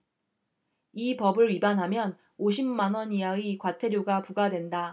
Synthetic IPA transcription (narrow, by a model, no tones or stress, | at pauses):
ipʌbɯɭɥibanɦamjʌn | oɕ̬ʰimmanwʌnijaɡikwatʰe̞ɾjoɡapuɡadwe̞nda